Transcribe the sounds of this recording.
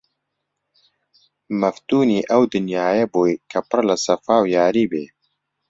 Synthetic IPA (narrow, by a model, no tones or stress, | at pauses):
mɐft̪uːniːʔɐwd̪ɨnjaːjeboːjkʰɐpɨrlɐsɐfaːwjaːɾiːbeː